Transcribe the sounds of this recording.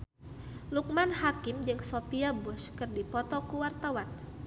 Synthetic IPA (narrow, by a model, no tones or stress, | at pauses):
luk̚manhakɪmd͡ʒɨŋsopiabʊskɨrdipɔt̪ɔkuwart̪awan